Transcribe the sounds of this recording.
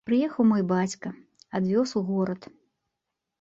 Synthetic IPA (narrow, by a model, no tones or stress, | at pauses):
pɾɨjɛxɐwmɔjbat͡sʲkɐad̪vʲɔsuɣɔɾɐt̪